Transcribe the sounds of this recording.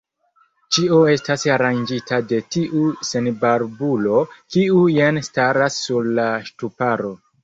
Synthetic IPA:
t͡ʃioe̞stasaɾand͡ʒitʰade̞tiʔuse̞nbaɾbulo̞kiujanstaɾasːuɾlaʃtupaɾo̞

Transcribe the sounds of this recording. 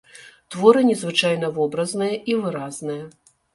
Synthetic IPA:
t̪vɔɾɨnʲɛzvɨt͡ʂajn̪ɐvɔbɾɐznɨjɐʔivɨɾaznɨjɐ

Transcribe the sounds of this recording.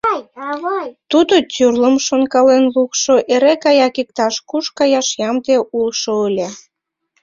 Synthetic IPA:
t̪ud̪ot͡syrləmʃonkɑlenlukʃoʔeɾekɑjɑkik̚t̪ɑʃkuʃkɑjɑʃjɑmd̪eʔulʃoəlʲe

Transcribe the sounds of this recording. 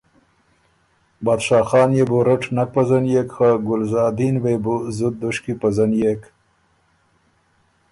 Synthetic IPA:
bɑːd̪ʃɑːxɑːnjeboɾaʈnak̚pazanjekxaɡʊlzɑːd̪inwebuzʊd̪̚d̪ʊʃkipazanjek

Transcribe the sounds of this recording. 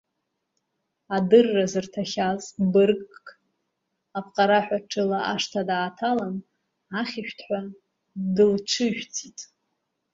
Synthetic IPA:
adɨrːazɨrtʰaχʲazbɨrkʼkʼkʼ | apʰʼqʼaɾaħᶣʷaʈ͡ʂʰɨlaʔaʂtʰadaːtʰalan | aχʲɪʃᶣtʰħʷa | dɨlt͡ʃʷʰɨʒᶣt͡sʰʼitʼ

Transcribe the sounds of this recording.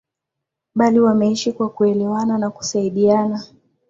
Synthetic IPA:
ɓaliwamɛiʃikwakuɛlɛwananaku̥saiɗiana

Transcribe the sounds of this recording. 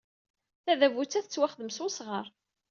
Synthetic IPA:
θæðævut͡sːæθət͡sːwæχðəmsʊsʁəɾˤ

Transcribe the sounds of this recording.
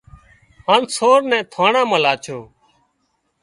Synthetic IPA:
ãːnsoːɾnɛ̃ːt̪ʰaːɳãːmãːlaːt͡ʃʰoː

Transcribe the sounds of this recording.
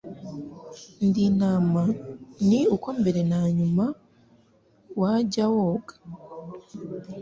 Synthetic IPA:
ndinamaniukombe̞ɾe̞naːɲuma | waɟawoːɡḁ

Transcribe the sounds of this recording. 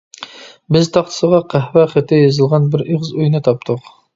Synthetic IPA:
bɪzt̪ʰɑχt̪ʰsəʁɑqʰæhwæχɪt̪ɪjɑzɨlˠʁɑnbɪɾeʁzujnɨt̪ʰɑp̚t̪ʰʊq

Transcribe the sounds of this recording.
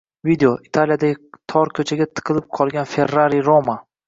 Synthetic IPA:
vid̪eoit̪ʰalijad̪aɡʲɪt̪ʰɒɾkʲʰɵt͡ʃʰaɡʲat̪ʰɨ̥qʰɨlɪp̚qʰɒlˠɡʲanfe̞rːaɾijɾoma

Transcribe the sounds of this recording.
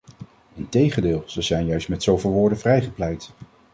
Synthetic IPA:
ɪntejχəndɪːlˠz̥əzɛjnjœɥstmɛtsowvɪːlˠʋʊːɹdənvrɛjχəplɛjt

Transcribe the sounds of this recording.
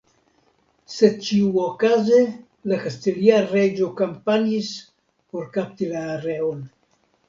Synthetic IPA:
se̞d̚t͡ʃiuokaze | lakastiliaɾed͡ʒokampaɲis | po̞ɾkap̚tilaːɾe̞on

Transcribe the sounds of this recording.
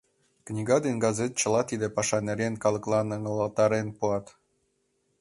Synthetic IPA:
knʲiɡɑd̪enɡɑzet̪̚t͡ɕə̆lɑt̪id̪epɑʃɑneɾʲenkɑlɤ̆klˠɑnɤ̆ŋɤlɑt̪ɑɾenpuɑt̪

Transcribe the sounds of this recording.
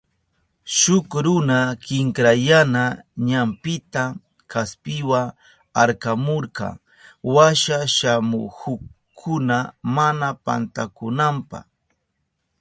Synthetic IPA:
ʃʊkɾʊnakɪŋkɾajanaɲampɪt̪a | kʰaspɪwa | aɾkamoɾkɑ̰ | waʃaʃamʊ̰hʊ | kʰːʊnamanapa̰nt̪akʊnampɑ̰χ

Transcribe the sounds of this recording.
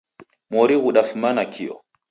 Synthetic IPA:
moɾiɣuɗafmanakʰijɔ̰

